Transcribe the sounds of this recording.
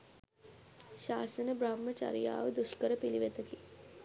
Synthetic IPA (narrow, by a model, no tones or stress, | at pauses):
ɕaːsɐnɐbɾaːmːɐt͡ʃa̰ɾija̰ːʋd̪uʃkəɾɐpiliʋet̪ɐki